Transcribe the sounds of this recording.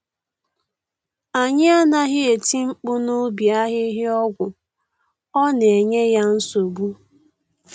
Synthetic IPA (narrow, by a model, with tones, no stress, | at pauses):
a˨ɲɪ˦a˦na˦ɦɪ˦e˨ti˦ŋ͡m̩˦k͡pʊ˦no˦bja˦ɦɪ˦ɦɪ˦ɔ˦ɡʷʊ˨ | ɔ˦n˨e˨ɲe˦ja˦n̩˦so˨bu˦